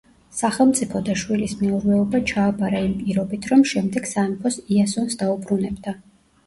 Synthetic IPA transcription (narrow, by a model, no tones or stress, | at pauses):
saχɛlˠmt̪sʼipʰɔd̪aʃwilismɛuɾvɛɔbat͡ʃʰaːbaɾaimpʼiɾɔbit̪ʰɾɔmʃɛmd̪ɛɡ̥sanipʰɔsiasɔnsd̪aubɾunɛbd̪a